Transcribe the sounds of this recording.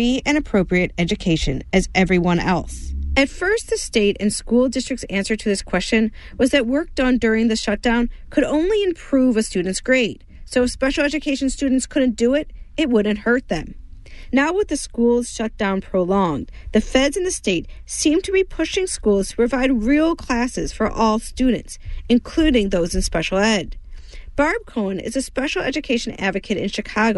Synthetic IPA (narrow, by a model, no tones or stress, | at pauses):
iɨ̃nɨpʰɹ̥oʊpɹiɨɾɛd͡ʒɨkʰeɪʃɨ̰̃nɨzʔɛvɹiwʌ̃nɛ̰lˠsɨtfɜ˞st̪̚ðɨsteɪɾɨ̰̃nskulˠdɪstɹ̥ɨk̚tsæ̃nsə˞ɾɨðɪskʰw̥ɛst͡ʃɨ̃n | wʌzðɨt̚wɜ˞k̚dn̩dʊɹɪ̃ŋðɪʃʌt̚d̥ãʊ̃nkʰɨɾõʊ̃nliɨ̃mpʰɹ̥uvɨstʉdⁿn̩tsɡ̥ɹeɪt̚ | soʊɨfspɛʃl̩ˠɛd͡ʒɨkʰeɪʃn̩stʉdⁿn̩tskʰʊdⁿn̩d̥ɨɪɾɨt̚wʊdⁿn̩t̚hɜ˞t̪̚ðɨ̰̃m | naʊwʌt̪̚ðɨskulˠz̥ʃʌt̚d̥ãʊ̃npʰɹ̥oʊlɔ̃ŋðɨfɛdzɨ̃n̩ðɨsteɪt̚sĩmtʰɨbipʰʊʃɪ̃ŋskulˠz̥tʰə̥pʰɹ̥ɨvaɪd̚ɹilˠkʰl̥æsɨz̥fə˞ʔɔlˠstʉdⁿn̩tsɨ̃nkʰl̥ʉɾɪ̃ŋðoʊzɨ̃n̩spɛʃl̩ˠɛd̚b̥ɑɹb̚kʰõʊ̃nɪ̰zɨspɛʃl̩ˠɛ̰d͡ʒɨkʰeɪʃɨ̃n̩æ̰dvɨkʰɨɾɨ̰̃nʃɨkʰɑɡoʊ